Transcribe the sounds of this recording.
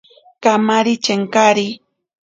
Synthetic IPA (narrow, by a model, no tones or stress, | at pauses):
kamaɾit͡ʃeŋkaɾi